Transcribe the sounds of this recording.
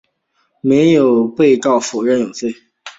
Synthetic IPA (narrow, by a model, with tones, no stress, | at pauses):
me˧˥ɪjo˨˩ʊpe˥˧ɪkɑ˥˩ʊfɔ˨˩ɻə˥˩njo˨˩ŋfe˥˩ɪ